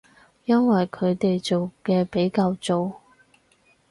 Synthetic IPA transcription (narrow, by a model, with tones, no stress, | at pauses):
jɐ˥nwɐ˨jkʰɵ˨˧ɥt̪e˨jt͡so˨wkɛː˧pe˨˥jkaː˧wt͡so˨w